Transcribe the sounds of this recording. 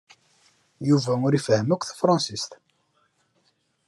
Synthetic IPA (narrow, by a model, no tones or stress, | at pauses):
juvæʊɾifɦəmːəkʷθfɾˤɑ̃nsist̪